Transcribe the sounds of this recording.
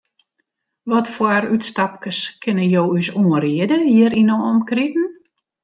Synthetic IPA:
ʋɔtfwaɾytstap̚kəskʰɪnəjoːysuːəriədəhiəɾinoɔmkritn̩

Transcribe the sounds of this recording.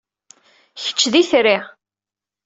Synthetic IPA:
çə̥t͡ʃːðiθɾɪʁ

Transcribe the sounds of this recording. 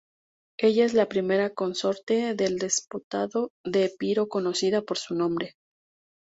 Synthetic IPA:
e̞ʝae̞zlapɾime̞ɾako̞nso̞ɾt̪e̞ðe̞ld̪esput̪aðo̞ðe̞piɾo̞ko̞no̞siðapo̞ɾsunõ̞mbɾe̞

